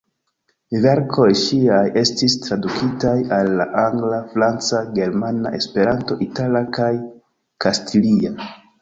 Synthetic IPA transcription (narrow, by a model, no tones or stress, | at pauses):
ve̞ɾkʰo̞jʃiaje̞stistɾadukʰitajalːa̰ʔaŋɡlafɾant͡saɡe̞ɾmana̰ʔe̞spe̞ɾanto̞ʔitalakaj | kastʰilia